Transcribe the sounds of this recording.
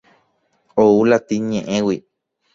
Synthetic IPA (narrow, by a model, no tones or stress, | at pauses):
oulat̪iɲẽʔẽwi